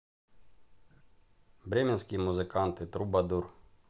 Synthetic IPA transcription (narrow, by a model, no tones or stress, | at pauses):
bɾʲɛmʲɛnsʲkʲijmuzɨkant̪ɨt̪ɾubɐd̪ur